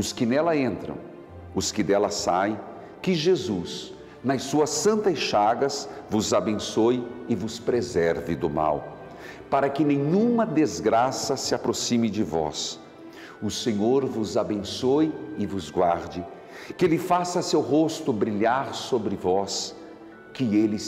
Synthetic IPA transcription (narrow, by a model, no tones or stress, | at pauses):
ʊskɪnɛlɐẽnt̪ɾɐ̰̃w̃ | ʊskɪd̪ɛlɐsaj | kɪʒezus | nɐsuɐsɐ̃nt̪ɐsʃaɡɐsvʊzabẽsojɪvʊspɾezɛɾvɪd̪ʊma̰w | paɾɐkɪnẽɲũmɐd̪ezɡɾasɐsɪapɾosĩmɪd͡ʒɪvɔ̰s | ʊsẽɲoɾvʊzabẽsojɪvʊzɡwaɾd͡ʒɪ | kɪlɪfasɐsewɦost̪ʊbɾiʎaɾsobɾɪvɔs | kɪelɪ